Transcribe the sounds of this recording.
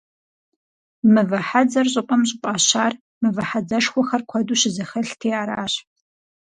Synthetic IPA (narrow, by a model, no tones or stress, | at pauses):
mɨvɐħad͡zɐrɕʼɪqʷʼɔmɕʼɪqʷʼɑːɕaːr | mɨvɐħad͡zɐʂxʷɔxɐrkʷʰɔduːɕɪzɐxɐɬtʰeːaːɾaːɕ